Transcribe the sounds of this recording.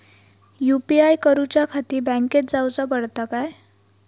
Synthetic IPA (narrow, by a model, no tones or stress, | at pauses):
jupiajkəɾut͡ɕakʰat̪iːbɛ̃ŋket̪̚d͡zawt͡sapəɽt̪akaj